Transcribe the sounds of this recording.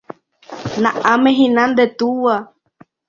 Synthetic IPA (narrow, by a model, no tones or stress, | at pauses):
nãʔamẽɦĩnãnd̪et̪uwa